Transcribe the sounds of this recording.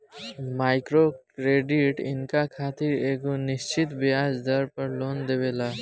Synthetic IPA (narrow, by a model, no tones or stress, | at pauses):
maːɪkɾokɾeːɖɪʈɪ̰nkakʰaːt̪ɪɾeːɡonɪʃt͡ʃɪt̪bɪjaːd͡ʒd̪əɾpəɾloːnd̪eːʋeːlaː